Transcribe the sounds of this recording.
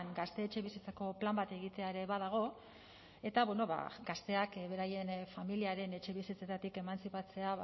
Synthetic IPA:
ŋɡast̪e̞ːt͡ʃe̞βisit͡sako̞plambat̪e̞ɣ̞it̪e̞aeɾe̞βað̞aɣ̞o̞ | e̞t̪aβweno̞βa̰ɡast̪e̞akβe̞ɾaje̞nfamiliaɾe̞ne̞t͡ʃe̞β̞isit͡se̞t̪at̪ike̞mansipat͡se̞a

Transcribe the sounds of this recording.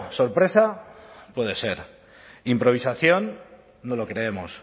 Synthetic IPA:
so̞ɾpɾe̞sapwe̞ð̞e̞se̞ɾ | impɾo̞β̞isaθjo̞nː | olokɾe̞emo̰s

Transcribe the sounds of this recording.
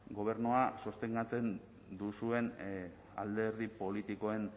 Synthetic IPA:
ɡo̞β̞e̞ɾnuasost̪e̞ŋɡat͡se̞n | d̪usue̞n | a̰ld̪e̞ɾðipo̞lit̪iko̞e̞n

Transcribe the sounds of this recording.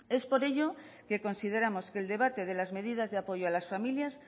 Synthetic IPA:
e̞spo̞ɾe̞ʎo̞ | ke̞ko̞nsiðe̞ɾamo̞ske̞ːld̪e̞β̞at̪e̞ð̞elazme̞ð̞iðazðeapo̞ʝoalasfamiljas

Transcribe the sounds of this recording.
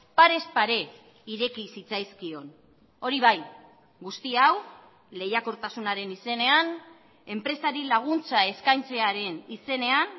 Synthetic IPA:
paɾe̞spaɾe̞ | iɾe̞kisit͡sajskio̞n | o̞ɾiβaj | ɡust̪iaw | le̞jakuɾt̪asunaɾe̞nise̞ne̞an | e̞mpɾe̞saɾilaɣ̞unt͡sae̞skajnt͡se̞aɾe̞nise̞ne̞an

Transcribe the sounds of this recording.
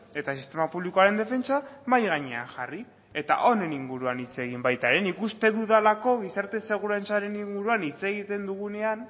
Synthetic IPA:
e̞t̪asist̪e̞mapuβlikoaɾe̞nd̪e̞fe̞nt͡samajɣaɲea̰ŋʝari | e̞t̪a̰ʔo̞ne̞niŋɡuɾuanit͡se̞ɣ̞imbajt̪aɾe̞nikust̪e̞ðuðalako̞β̞isaɾt̪e̞se̞ɣ̞uɾant͡saɾe̞niŋɡuɾuanit͡se̞ɣ̞it̪e̞nd̪uɣ̞une̞an

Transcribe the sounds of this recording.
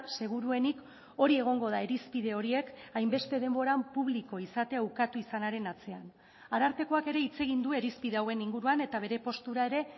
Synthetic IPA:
se̞ɣ̞uɾue̞nik | o̞ɾie̞ɣ̞o̞ŋɡo̞ð̞ae̞ɾispið̞e̞o̞ɾie̞kajmbe̞st̪e̞ðe̞mbo̞ɾampuβliko̞isat̪e̞awkat̪uisanaɾe̞nat͡se̞an | aɾaɾt̪e̞ko̞ake̞ɾe̞it͡se̞ɣ̞ind̪ue̞ɾispiðeawe̞niŋɡuɾuane̞t̪aβ̞e̞ɾe̞po̞st̪uɾae̞ɾe̞

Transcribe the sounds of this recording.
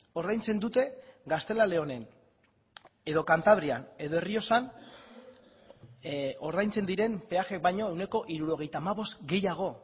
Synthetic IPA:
o̞ɾðajnt͡se̞nd̪ut̪e̞ɡast̪e̞lale̞o̞ne̞n | e̞ðo̞kant̪aβ̞ɾiane̞ðo̞e̞rio̞san | o̞ɾð̞ajnt͡se̞nd̪iɾe̞mpe̞axek̚bajɲo̞e̞wne̞ko̞ʔiɾuɾo̞ɣe̞jt̪aːmaβo̞st̪ɡe̞jaɣ̞o̞

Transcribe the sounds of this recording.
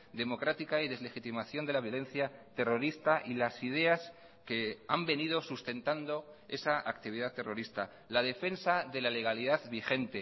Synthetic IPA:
d̪e̞mo̞kɾat̪ikaiðe̞zle̞xit̪imaθjo̞nd̪e̞laβjo̞le̞nθjat̪e̞ro̞ɾist̪aʔilasið̞e̞as | ke̞ambe̞niðo̞sust̪e̞nt̪and̪o̞e̞saʔakt̪iβ̞iðat̪e̞ro̞ɾist̪a | lað̞e̞fe̞nsaðe̞lale̞ɣ̞aliðaðβixe̞nt̪e̞

